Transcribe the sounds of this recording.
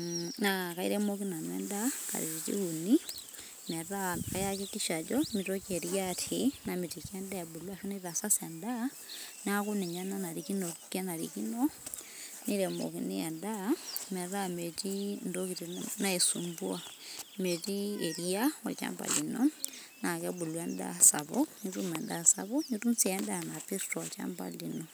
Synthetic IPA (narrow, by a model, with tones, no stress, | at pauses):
naka˨ḭɾɛ˦mo˦k̬i˦na˨nwɛ̰˦ndaka̰˨ɾḭ˨ɾi˨t͡ʃḭ˦kuni˦ | mɛ˨ra˦ka˨ja˦ki˦ki˦ʃa˨d͡ʒɔmi˨to˦ke˨ɾjatʰina˨mi˨ti˨kɛ˦nda˦ja˨bu˨lwa˨ʃo˦ni˦ða˨sa˦senda˦ | na˦ku˦ni˨ɲa˦na˦na˨ɾi˨ki˦no˨ke˦na˨ɾḭ˨ki˦no | ni˦ɾɛ˨mo̰˨ki˨nḭ˦ja˨ndamɛ˨ɾa˦me˨ti˦ndo˦ki˨tina˦e˨sṵmbua˦me˨tieɾijawa̰t͡ʃa̰mba̰˨linɔ | na˨kɛ˦bu˨lwa˦nda̰saβɔɲutumɛ˨ndasa̰βɔɲutu˦mut͡si˨ɛ˦ndaa˨napi˦stɔ˨wa˨t͡ʃa̰mba̰˨linɔ